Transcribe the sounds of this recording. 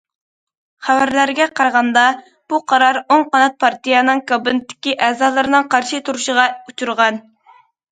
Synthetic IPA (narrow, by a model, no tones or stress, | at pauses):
χævæɾlæɾɡʲɛqʰɑɾʁɑnd̪ɑ | b̥uqʰɑɾɑɾoŋqɑnɑt̪̚pʰɑɾt̪ijɑnɨŋkʰɑbɨnɪt̪ʰːɪ̥kʲiʔɛːzɑːlˠɨɾɨnɨŋqʰɑɾʃit̪ʰuɾuʃəʁɑut͡ʃʰuɾʁɑn